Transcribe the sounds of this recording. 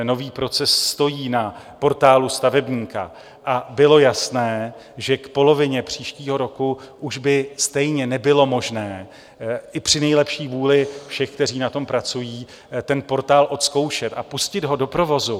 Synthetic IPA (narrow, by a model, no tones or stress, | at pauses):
no̞viːpɾo̞t͡sɛsːt̪o̞jiːna | po̞ɾt̪aːlust̪avɛbɲiːka̰ | ʔabɪlo̞jasnɛː | ʒɛkpo̞lo̞vɪɲɛpr̝̥iːʃciːɦo̞ɾo̞kuʔuʒbɪst̪ɛjɲɛnɛbɪlo̞mo̞ʒnɛː | ʔɪpr̝̥ɪnɛjlɛpʃiːvuːlɪfʃɛxk̚t̪ɛriːnat̪o̞mpɾat͡sujiː | t̪ɛnpo̞ɾt̪aːlʔo̞t̪sko̞wʃɛt̪ʔapuscɪd̪ɦo̞do̞pɾo̞vo̞zu